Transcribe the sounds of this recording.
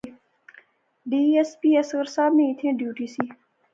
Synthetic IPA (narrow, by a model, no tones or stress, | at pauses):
ɖiespiesɣəɾsaːbnẽit̪ʰẽɖjuʈisi